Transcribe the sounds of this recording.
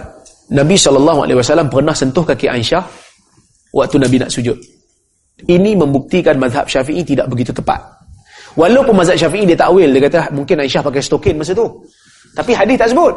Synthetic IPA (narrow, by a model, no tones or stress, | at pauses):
nãbisɔlɔlːaɦua̰lʔewasalampərnahsənt̪ʊhkakiʔaiʃah | wʔak̚t̪unabina̰ʔsud͡ʒʊt̪̚ | iniməmbuk̚t̪ikanmaðɦa̰p̚ʃafiʔit̪ida̰ʔbəɡit̪ut̪əpa̰t̪̚ | walawpʊnmazaʔ̪ʃafiʔidiət̪aʔwɪldakat̪amuŋkɪnajʃahpakajst̪okɪnmas̬at̪u | t̪apiɦadɪst̪aʔsəbʊt̪̚